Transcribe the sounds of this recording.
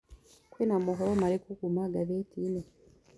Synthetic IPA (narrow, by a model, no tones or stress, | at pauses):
kwinamoɦolomalikuɡumaɡaβetʰine